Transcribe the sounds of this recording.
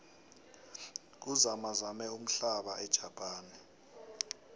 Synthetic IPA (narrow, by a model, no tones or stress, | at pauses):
k̬uzamazamɛum̩ɬaɓaʔɛd̥ʒ̥ʱapʼaːni